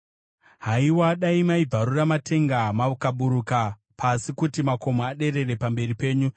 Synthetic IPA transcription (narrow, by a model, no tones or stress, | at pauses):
ɦaiwaɗaimaib͡vʱaɾuramatʰe̞ŋɡamaukaɓuɾuka | pʰasikutimako̞moaɗe̞ɾe̞re̞pambe̞ripe̞ːɲu